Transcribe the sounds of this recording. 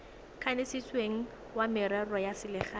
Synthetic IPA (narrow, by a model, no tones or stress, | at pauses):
kʰanɪsit͡sʼweŋ̩ | wamɪɾarɔjasɪlɪχa